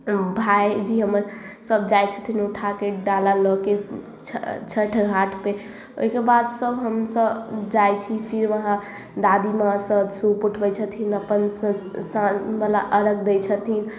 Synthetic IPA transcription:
bʱajd͡ʒiɦəməɾ | səbd͡ʒajt͡ʃʰə̥t̪ʰinuʈʰakeɖalalɔke | t͡ʃʰt͡ʃʰəʈʰɡʱaʈʰpe | o̰ikebad̪səbʱɦəmsəbd͡ʒajt͡ʃʰipʰiɾʋəɦã | d̪ad̪imasəbsupuʈʰbəjt͡ʃʰət̪ʰinəpənsəsabəlaʔəɾək̚d̪ejt͡ʃʰət̪ʰin

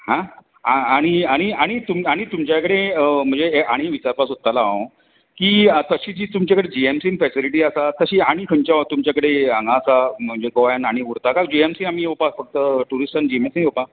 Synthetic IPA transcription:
hã | aaɽ̃iaɽ̃iaɽ̃it̪umaɽ̃it̪umt͡ɕjakəɽeəm̤ə̃ɳd͡zeʔaɽ̃iʋit͡ɕaɾpasot̪ːalã | kiːət̪əɕiːd͡ʑiːt̪umt͡ɕjakəɽed͡ʑiemsiːnfɛsiliʈiːasat̪əɕiːaɽ̃ikʰəɲt͡ɕat̪umt͡ɕjakəɽeəŋɡãsam̤əɳd͡ʑekoajanaɽ̃iuɾt̪akad͡ʑiemsiːnamiːopafəɡ̚t̪əʈuɾisʈand͡ʑiemesinopa

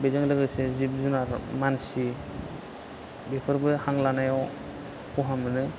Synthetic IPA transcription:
bezaŋlɯɡɯsezib̚zunaɾmansi | bekʰɯɾbɯhaŋlanajɔ | kʰɔɦamɯnɯ

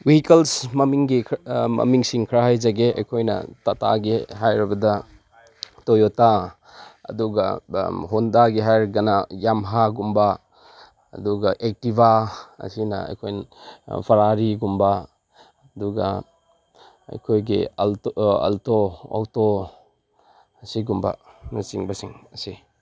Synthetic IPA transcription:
wihikelsmɐmiŋɡimɐ̰miŋsiŋkʰɾaɦajzaɡeɐ̰jkʰojnɐ̰tɐta̰ɡiɦajɾibɐdɐ | tojɔta | ɐ̰duɡa̰ɦondaɡiɦajɾɡɐnajamɦaɡumba | ɐ̰duɡaʔek̚tibaɐ̰sinɐ̰ɐ̰jkʰojnpʰɐɾaɾiɡumba | duɡa̰ | ɐ̰jkʰojɡḭltɐ̰ltoa̰wto | ɐsiɡumba̰masiŋbasiŋɐsi

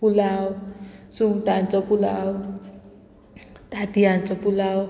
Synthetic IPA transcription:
pulawsuŋt̪ant͡sʌpula̰w | t̪at̪iɦant͡sʌpulaw

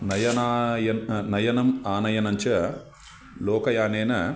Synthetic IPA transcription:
nɐjɐnaːjɐnnɐjɐnɐmaːnɐjɐnɐɲt͡ʃɐ | lɔːkɐjaːneːnɐ

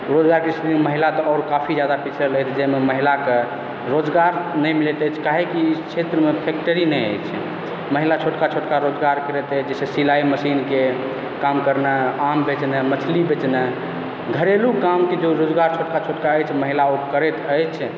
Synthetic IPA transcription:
ɾod͡ʒɡaɾkeskiiməɦilat̪ɔɔːɾkapʰid͡ʒjad̪apit͡ʃʰəlɛjt̪ʰd͡ʒɛmeməɦilake | ɾod͡ʒɡaɾnəjmilet̪əjt͡ʃʰkaɦekikʰt͡ʃʰet̪ɾəmepʰek̚ʈəɾinɛjə̰jt͡ʃʰɛ | məɦilat͡ʃʰoʈkat͡ʃʰoʈkaɾod͡ʒɡaɾkəɾɛt̪ɛt͡ʃʰd͡ʒɛsesilaiməsinke | kamkəɾneambet͡ʃnemət͡ʃʰlibet͡ʃnɛ | ɡʱəɾelukamked͡ʒoɾod͡ʒɡaɾt͡ʃʰoʈkat͡ʃʰoʈkaəjt͡ʃʰməɦilaokəɾɛt̪əjt͡ʃʰ

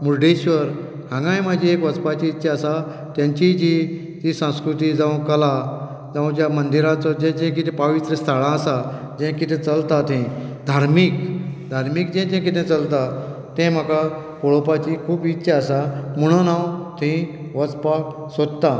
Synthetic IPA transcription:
muɾɖeɕʋəɾ | ɦãŋɡãjməd͡ʑʱĩekʋət͡spat͡ɕiitːɕʰaəsa | t̪jãɲt͡ɕit͡ɕi | tisãw̃skɾut̪id͡zaũkəla | d͡zaʋũt͡ɕjamənd̪iɾãt͡sɔd͡ʑɛ̃t͡ɕɛ̃kit̪ʰɛ̃pəʋit̪ɾəst̪ʰaɭãəsa | d͡ʑɛ̃kit̪ʰɛ̃t͡səlt̪at̪ʰɛ̃d̪ʱaɾmiːkd̪ʱaɾmik̚d͡ʑɛ̃d͡ʑɛ̃kit̪ʰɛ̃t͡səlt̪at̪ɛ̃m̤aka | koɭopat͡ɕikʰuːbitːɕʰaəsamuɽ̃ənawt̪ʰĩ | ʋət͡spa | sod̪̚t̪a

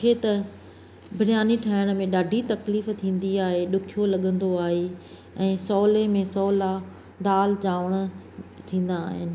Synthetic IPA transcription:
kʰeːt̪ɐ | bʱɪnjaːniʈʰaːɦɪɽ̃̆mẽɗaːɖʱit̪ɐkliːft̪ʰĩːn̆d̪iaːɦeɗʊkʰijolɐɠə̃nd̪oaːɦe | ɛ̃ːsɔːlẽmẽsɔːla | d̪aːlt͡ɕaːʋəɽ̃t̪ʰĩːn̆d̪aːɦɪ̰nɪ̆

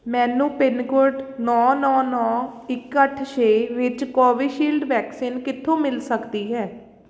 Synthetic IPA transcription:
mɛ̃ːnũːpɪnkʊɾʈnɔːnɔːnɔːɪkːəʈʰʃeːʋɪt͡ʃkɔːʋiːʃiːlɖʋɛːksiːnkɪt̪ʰːõːmɪlsəkd̪iːɦɛː

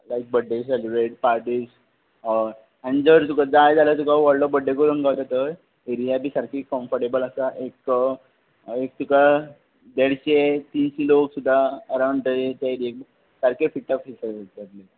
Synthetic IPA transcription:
lajk̚bəɖʱːeselibɾeʈ̚paɾʈiːs | anid͡zəɾt̪ukad͡zajd͡zalət̪ukaʋɔɭɖɔbəɖːekoɾunkawt̪at̪əɾ | eɾijabʱiːsaɾkikɔ̃mfəɾʈebələsaʔek | ek̚t̪uka | d̪eɽɕet̪iːnɕiloksud̪ʱːaəɾaw̃ɳɖʈ̪əet̪aɾiek̚ | saɾkefiʈʰːafisəd͡zat̪le

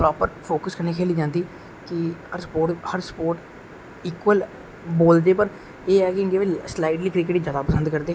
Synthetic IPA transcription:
pɾɔːpəɾpʰoːkəskəɾneːkʰeːliːd͡ʒãːnd̪iː | kɪəɾspoːhəɾspoːɾʈ | ɪkʋəl | boːld̪eːpəɾ | eːɛːkɪə̃ŋɡeːʋislaːiʈliːkɾɪk̬ɪʈiːd͡ʒjaːd̪aːpəsə̃nd̪kəɾd̪eː

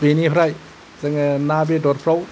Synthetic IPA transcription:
benipʰɾaj | zaŋnabedɔɾpʰɾaw

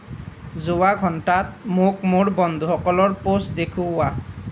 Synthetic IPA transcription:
zʊwaɡʱɔntat̚mok̚moɹbɔnd̪ʱuxɔkɔlɔɹposdekʰʊwa

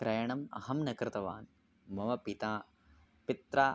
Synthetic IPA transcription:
kɾɐjɐɳɐmɐ̰ɦɐmnɐkɾɪt̪ɐʋa̰ːn | mɐʋɐpit̪aː | pit̪ɾaː

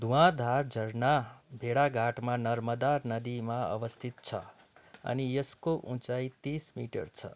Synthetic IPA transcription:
d̪ʱũwãd̪ʱaɾd͡zʱʌɾnabʱeɽaɡʱaʈmanʌɾmʌd̪arnʌd̪imaʌ̰bʌst̪ʰit̪̚t͡sʰʌ̰ | ʌ̰nijeskoʔũt͡sajt̪ismḭʈʌ̰rt͡sʰʌ̰

